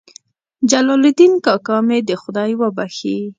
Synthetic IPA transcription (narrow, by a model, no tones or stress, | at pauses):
d͡ʒalɑlɪd̪inkɑkɑmed̪əxʊd̪ɑjwəbaxi